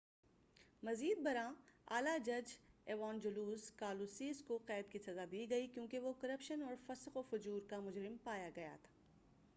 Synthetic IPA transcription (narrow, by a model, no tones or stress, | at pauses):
mɐziːd̪̚bɐɾãa̰ːlad͡ʒɐd͡ʒɛːʋaːnd͡ʒʊluːzkaːluːsiːzkoqɛːd̪̚kisɐzab̪ʱiɡɐikjõːkeʋokɐɾəpʃənɔːɾfɐsqofʊd͡ʒuːɾkamʊd͡ʒɾɪmpaːjaɡɐja̰t̪ʰḁː